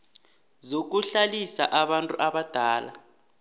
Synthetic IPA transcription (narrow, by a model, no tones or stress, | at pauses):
zok̬uɬalisa̰ʔaɓantʼuʔaɓad̥ʱaːla̰